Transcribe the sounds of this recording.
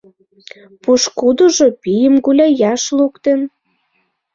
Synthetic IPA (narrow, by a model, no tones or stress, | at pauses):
puʃkud̪oʒopijəmɡulʲɑjɑʃlukt̪ə̆n